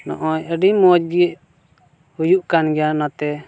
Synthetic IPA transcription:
nɔ̰ʔɔjəɖimɔd͡ʒdiəʔ | hujuʔkanɡɛjanat̪ɛ

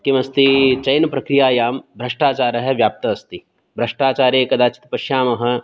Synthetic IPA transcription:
kimɐst̪it͡ʃɐjnɐpɾɐkɾijaːjaːmbʱɾɐʂʈaːt͡ʃaːɾɐɦɐʋjaːp̚t̪ɐːst̪i | bʱɾɐʂʈaːt͡ʃaːɾeːkɐd̪aːt͡ʃi̥t̪pɐʃjaːmɐɦɐ̆

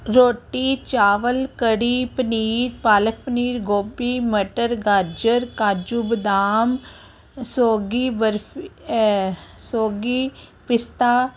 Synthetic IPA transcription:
ɾoːʈiːt͡ʃaːʋəlkəɽiːpəniːɾpaːlək̚pəniːɾɡoːbiːməʈəɾɡaɾd͡ʒəɾkaːd͡ʒuːbəd̪aːm | soːɡibəɾf | soːɡiːpɪst̪aː

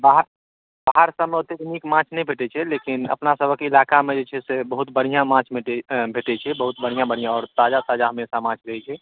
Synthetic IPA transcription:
baɦəɾ | baɦəɾsəmot̪eknikmãːt͡ʃʰnəɦĩbʱeʈet͡ʃʰɛlekɪnə̰pnasəbʱəkːɪlaːkamẽd͡ʒet͡ʃʰɛsebəɦut̪bəɽ̤ijãmãːt͡ʃʰbʱeʈebʱeʈet͡ʃʰɛbəɦut̪̚bəɽ̤ijãbəɽ̤ijãɔːɾt̪aːd͡ʒat̪aːd͡ʒaɦəmesamãːt͡ʃʰɾəɦit͡ʃʰɛ

